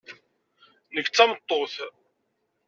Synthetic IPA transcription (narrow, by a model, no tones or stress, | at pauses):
nəkːt͡sːæmət̪ˤːoθ